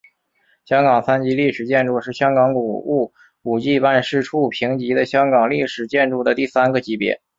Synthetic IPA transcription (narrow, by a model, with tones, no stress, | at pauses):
ɕjɑ˥ŋɡɑ˨˩ŋsa˥nt͡ɕi˧˥li˥˩ʂɻ̩˨˩t͡ɕjɛ˥˧nʈ͡ʂu˥˧ʂɻ̩˥˩ɕjɑ˥ŋkɑ˧˥ŋku˨˩u˥˩ | u˨˩t͡ɕi˥˧pa˥˧nʂɻ̩˥˧ʈ͡ʂʰu˥˩pʰi˧˥ŋt͡ɕi˧˥d̪ə˧ɕjɑ˥ŋkɑ˨˩ŋli˥˩ʂɻ̩˨˩t͡ɕjɛ˥˧nʈ͡ʂu˥˩d̪ə˩t̪i˥˩sa˥nɡə˨t͡ɕi˧˥pjɛ̰˧˥